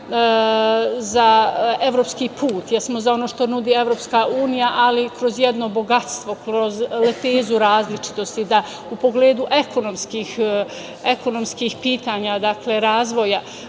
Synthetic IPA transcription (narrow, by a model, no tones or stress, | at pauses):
zae̞ʋɾopskiːpʰuːt̪jɛsmo̞zao̞noʃt̪o̞nud̪iːe̞ʋɾoːpskauːnijaʔalikɾo̞zjed̪no̞bo̞ɡat̪st̪ʋo̞kɾo̞zlep̪eːzuɾaːzlit͡ʃi̥t̪o̞st̪id̪a | upo̞ɡle̞ːd̪uʔe̞ko̞no̞mskiːx | eko̞no̞mskiːxpiːt̪aːɲad̪akle̞ɾaːzʋo̞ja